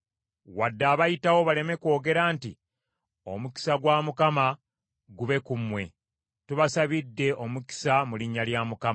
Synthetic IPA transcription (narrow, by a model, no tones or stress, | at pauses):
wadːaːβajitawo̞βale̞me̞ko̞ːɡe̞ɾaːnti | o̞muki̥saɡwaːmukama | ɡuβe̞kumwe̞ | tuβasaβidːe̞ʔomuki̥samuliɲːaljaːmukam